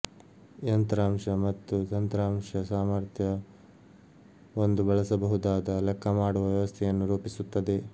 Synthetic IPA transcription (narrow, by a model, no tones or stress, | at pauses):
jɐnt̪ɐɾaːmʂɐmɐt̪ːut̪ɐnt̪ɾaːmʂɐsaːmɐɾt̪ʰjɐ | o̞nd̪ubɐɭɐsɐbɐɦud̪aːd̪ɐlɛkʰːɐmaːɽuʋɐʋjɐʋɐst̪ʰɛjɐnːuɾuːpisut̪ːɐd̪e̞